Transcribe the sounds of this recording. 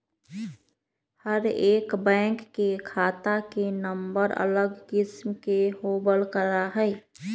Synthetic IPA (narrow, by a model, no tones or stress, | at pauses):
həɾeːkbɛ̃ːŋkːekʰaːt̪akenəmbəɾə̰ləɡkɪsmkeɦoːbəlkəɾaɦɛ